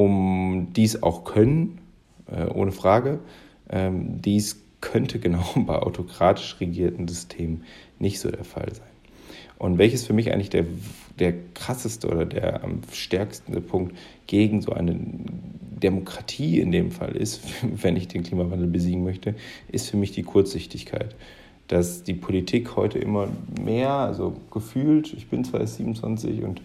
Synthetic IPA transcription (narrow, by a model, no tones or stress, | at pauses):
ʔʊmd̥iːsa̰ʊxkʰœnən | ʔɛ̰ʔo̰ːnəfʁ̥aːɡə | ʔɛːmdiːs | kʰœntʰəɡənaʊbaɪʔa̰ʊtʰokʁ̥aːtʰɪ̥ʃʁɛɡiːɐtn̩zʏstʰeːmnɪçtz̥o̰ːdeːɐfa̰lzaɪn | ʔʊntvɛlçəsfyːɐmɪçʔa̰ɪŋ̩lɪçd̥eːɐd̥eːɐkʁ̥asəstəʔo̰ːdɐdḛːɐa̰mʃtɛɐkstn̩dəpʰʊŋk̚t | ɡ̥eːɡŋ̩zo̰ːʔa̰ɪnə̰ | demokʁ̥atʰiːɪ̰ndeːmfa̰lʔɪ̰stvɛnɪçd̥eːnkl̥iːmavandl̩bəziːɡŋ̩mœçtəʔɪstfyːɐmɪçd̥iːkʰʊɐt͡sz̥ɪçtɪçkʰa̰ɪt | d̥asd̥iːpʰolitʰiːkhɔʏtʰəʔɪ̰mɐmʔeːɐʔa̰lzoɡ̥əfyːltɪçb̥ɪnt͡sv̥aɪsziːmnt͡sv̥a̰nt͡sɪ̰çʊ̰nt